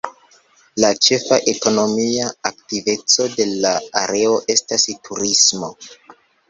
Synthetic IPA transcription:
lat͡ʃe̞faʔe̞ko̞no̞miaaktive̞t͡so̞de̞laa̰ɾe̞o̞ʔe̞stastʰuɾismo̞

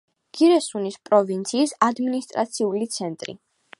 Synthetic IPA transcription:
ɡ̥iɾɛsunispʼɾɔvint̪sʰiːsad̪minist̪ʼɾat̪sʰiulit̪sʰɛnt̪ʼɾḭ

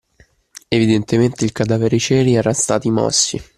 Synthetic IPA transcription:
evid̪ent̪ement̪eilkad̪aːveɾit͡ʃɛːɾiɛːɾast̪aːt̪imɔ̰sːḭ

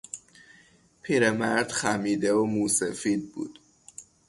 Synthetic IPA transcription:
pʰiːɾemæɾd̪̥xæmiːd̪eomuːsefiːd̪̚bṵːd̪̥

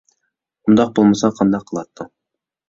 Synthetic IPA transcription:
und̪ɑq̚bolˠmɑsɑqʰɑnd̪ɑqʰːəlˠɑt̪ːɤ

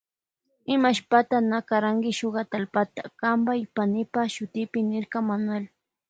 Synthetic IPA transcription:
ɪmaʃpat̪anakaɾaŋkɪʃoɢɑt̪alpat̪ḁkambajpanɪpaʃʊt̪ɪpɪnɪɾkamanwel

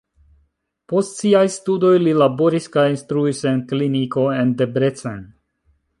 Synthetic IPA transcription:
po̞stsiajstudo̞jlilabo̞ɾiskajinst̪ɾuise̞nkliniko̞e̞nde̞bɾe̞t͡sen

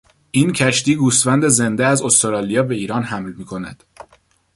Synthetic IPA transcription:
ʔiːncʰæʃt̪iːɡuːst̪fænd̪e̞ze̞nd̪eæzost̪oɾɒːlijɒːbe̞iːɾɒːnɦæmlmiːkʰo̞næd̪̥

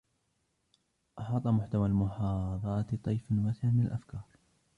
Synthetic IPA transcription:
ʔɑħɑːt̪ˤɑmʊħt̪awalmʊħɑːɑðˤɑːt̪t̪ˤːɑjfnwasɪʕmɪnalʔafkɑːɾˤ

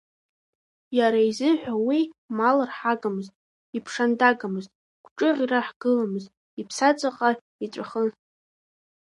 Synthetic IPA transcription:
jaɾaizɨħʷᶣawimalarħaɡʼamɨztʼ | ipʰʂandaɡʼamɨztʼ | ɡʷʈ͡ʂʼɨʁʲiraħɡ̥ɨlamɨztʼ | ipʰsat͡sʷʼaqʼa | it͡sʷʼaχə

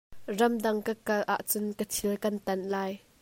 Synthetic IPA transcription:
rɐmdɐŋkəkɐlʔa̰ʔt͡sʊnkətʰilkɐnt̪ɐnlaːj

